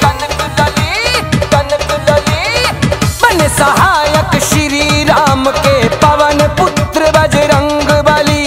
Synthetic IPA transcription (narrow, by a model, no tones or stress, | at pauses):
ɐnɐliɐnklɐli | mɐnesɐɦaːjɐkʃiɾiɾaːmkepɐʋɐnepʊt̪ɾəbɐd͡ʒeɾɐ̃ŋɡbaːli